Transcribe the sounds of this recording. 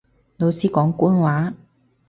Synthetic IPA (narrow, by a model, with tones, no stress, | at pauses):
lo˨˧wsiː˥kɔː˨˥ŋkuː˥nwaː˨˥